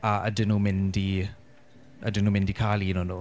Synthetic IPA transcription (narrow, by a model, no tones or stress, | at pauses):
aʔə̰dɪnuːmɪndi | ədɪnːuːmɪndikʰaːlˠinɔnuː